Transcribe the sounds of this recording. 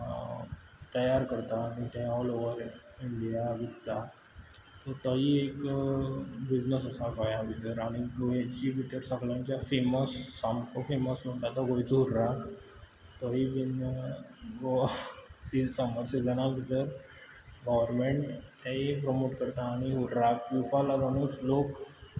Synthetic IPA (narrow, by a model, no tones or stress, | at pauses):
t̪əjaɾkəɾt̪aːɽ̃it̪ẽɔloʋəɾ | iɳɖijaʋit̪t̪a | t̪ɔt̪əɦiek | bid͡ʑnəsəsaɡajãbʱit̪əɾaɽ̃iɡoat͡ɕibʱit̪əɾsəɡɭãɲt͡ɕjafeməsːamkofeməsnũʈat̪ɔɡoit͡sɦuɾɾak | t̪əɦibinəɡosisəməɾsid͡zənabʱit̪əɾ | ɡɔʋəɾmeɳʈt̪aɦipɾomoʈkəɾt̪aːɽ̃iɦuɾɾakufalaɡəñuːslok